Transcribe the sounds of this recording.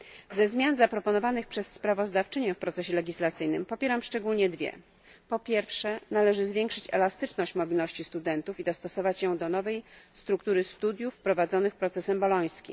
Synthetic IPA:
zɛzmʲjanzapɾɔpɔnɔvanɘxpʂɛsːpɾavɔzd̪aft͡ʂɘɲɛfpɾɔt̪sɛɕɛlɛɡʲislat̪sɘjnɘmpɔpʲjɛɾamʂt͡ʂɛɡulɲɛd̪vʲjɛ̰ | pɔpʲjɛɾfʂɛnalɛʐɘzvʲjɛŋkʂɘt͡ɕɛ̰last̪ɘt͡ʂnɔɕt͡ɕmɔbʲilnɔɕt͡ɕist̪ud̪ɛnt̪ufid̪ɔst̪ɔsɔvat͡ɕjɔ̃w̃d̪ɔnɔvɛjst̪ɾuk̚t̪uɾɘst̪ud̪ʲjufpɾɔvad̪zɔnɘxpɾɔt̪sɛsɛmbɔlɔj̃skʲḭm

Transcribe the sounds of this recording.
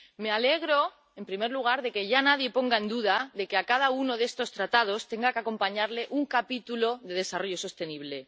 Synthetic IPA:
me̞ale̞ɣɾo | e̞mpɾime̞ɾluɣ̞aɾðe̞ke̞ʝanað̞je̞po̞ŋɡae̞nd̪uðaðe̞keakað̞auno̞ðest̪o̞st̪ɾat̪að̞o̞st̪e̞ŋɡakako̞mpaɲaɾle̞ʔuŋkapit̪ulo̞ðe̞ðe̞saro̞ʝo̞so̞st̪e̞niβ̞le̞

